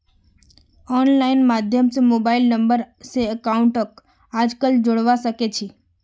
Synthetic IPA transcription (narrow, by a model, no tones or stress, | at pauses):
ɔnlainmad̪ʱjəmsemobailnəmbəɾ | seəkauɳʈək | ad͡ʒkəld͡ʒoɽʋaʃəket͡ʃʰi